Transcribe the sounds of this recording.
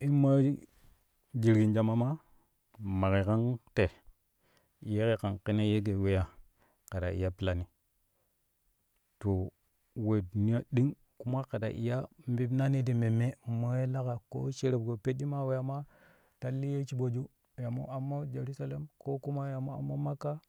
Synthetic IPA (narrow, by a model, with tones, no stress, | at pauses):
i˦ma˦ | d͡ʒi˨ɾɡi˨nd͡ʒa˨ma˦ma˦ | ma˨ke˨ka˦nte˨ | je˦ke˦ka˨nki˦ne˦je˦ɡe˨we˦ja˦˨ | ka˨ɾa˨ḭ˨ja˦pi˦la˦ni˦ | to˨ | we˨du˨ni˦a˦ɗi˦ŋ | ku˦ma˦ka˨da̰˨ʔḭ˨ja˦mbi˦bna˦ni˦di˨me˨me˦mo˦je˦la˦ka˨ko̰˦t͡ʃe˦ɾe˨b̚ɡo˨pe˦tːi˦ma˦we˦ja˨ma˦ | ta˦lːi˦je˦t͡ʃi˦ɓo˨d͡ʒu˦ | ja˨mo̰˦a˨mːa˦d͡ʒe˨ɾu˦sa˨la˦mko˦ku˦ma˦ja˨mo˦a̰˨mːa˦ma˦kːa˦